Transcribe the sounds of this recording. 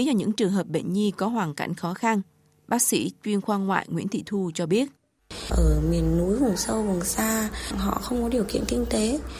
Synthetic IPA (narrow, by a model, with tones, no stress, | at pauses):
zɔ˧˩ɲɨ̰˧˥ŋt͡ɕɨ˨˩əŋɦəː˨˩p̚ɓḛ˧˨nɲi˧kɔ˨˦ɦwaː˨˩ŋka̰˧˩jŋ̟xɔ˨˦xa˧n | ɓaː˦˥k̚sḭ˧˥t͡ɕwi˧ənxwaː˧ŋŋwa̰ː˧˨jŋwḭ˧˥ənt̪ʰḭ˧˨t̪ʰu˧t͡ɕɔ˧ɓi˦˥ət̚ | ʔəː˧˩mi˨˩ənːu˨˦jvʊ˨˩ŋ͡msə˧wvʊ˨˩ŋsaː˧˨ŋɦɔ̰˧˨xə˧wŋ͡mkɔ˨˦ɗi˨˩əwkḭ˧˨ənkï˧ŋ̟t̪e˨˦